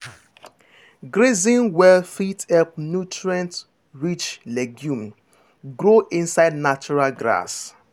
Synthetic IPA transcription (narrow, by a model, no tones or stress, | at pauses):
ɡɾezĩnwɛlfitɛp̚njutɹãnt | ɹit͡ʃlɛɡjũm | ɡɾoʔĩnsaɪdnat͡ʃuɹalɡɾa̰s